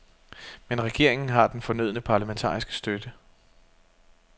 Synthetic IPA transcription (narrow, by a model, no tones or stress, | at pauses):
menʁɛɡ̥e̝ɐ̰e̝ŋn̩ɦɑ̈d̥enfɒ̽nøðˠnəpʰɑ̈læment͡sʰɑ̰̈ːisɡ̥ə̥sd̥ød̥ə